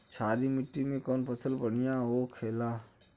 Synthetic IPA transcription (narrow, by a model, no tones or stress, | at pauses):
t͡ʃʰaːɾimɪʈːimẽkɔːnpəsəlbəɽijaʋokʰeːlaː